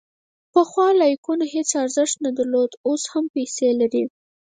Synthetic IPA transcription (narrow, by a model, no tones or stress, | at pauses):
pəxwɑlɑjkunahet͡saɾzəʂt̪̚nad̪aɾlod̪oshampejselaɾi